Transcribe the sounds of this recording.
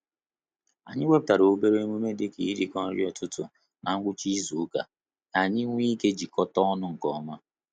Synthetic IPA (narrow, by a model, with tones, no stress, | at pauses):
a̰˨ɲɪ˦wʷe˦p̚ta˨ɾo˨˦be˦ɾe˦mu˦me˦de˦kḭ˨i˦ɾi˨kɔ˦ɾɪ˦ɔ˨tʊ˦tʊ̰˨ | nʔa˨ŋ̩˦ɡʷʊ˦t͡ʃi˦zu˨˦ka̰˨ | ka˨ɲɪ˦ŋʷ˦i˦ke˦d͡ʒi˨kɔ˦tɔ˦ɔ˦nʊ˦ŋ̩˨kɔ˨ɔ˦ma˦